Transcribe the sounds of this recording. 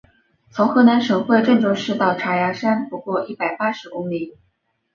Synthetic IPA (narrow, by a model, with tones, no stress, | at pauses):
t͡sʰʊ˧˥ŋxɤ˧˥na˧˥nʂɤ˧˥ŋxwe˥˧ɪʈ͡ʂɤ˥˧ŋʈ͡ʂo˥˧ʂɻ̩˥˧t̪ɑ˥˩ʊʈ͡ʂʰa˧˥ja˧˥ʂa˥npu˧˥kwɔ˥˧ʔi˥˩pa˨˩ɪpa˥ʂɻ̩˧˥kʊ˥ŋli˨˩˦